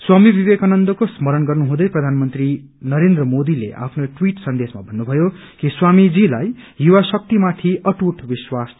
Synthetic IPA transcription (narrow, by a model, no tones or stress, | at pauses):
swamibibekanʌnd̪ʌkosmʌɾʌnɡʌrnuɦũd̪ʌjprʌd̪ʱanmʌnt̪ri | nʌɾend̪rʌmod̪ilḛʔa̰pʰnoʈwiʈsʌnd̪esmabʱʌnːubʱʌjo | kiswamid͡zilajjuwasʌk̚t̪imat̪ʰiʌʈuʈʰbiswas